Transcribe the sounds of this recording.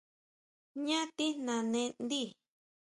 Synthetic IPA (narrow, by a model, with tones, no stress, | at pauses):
ɲã˦t̪i˦nã˨nẽ˧nd̪i˦˨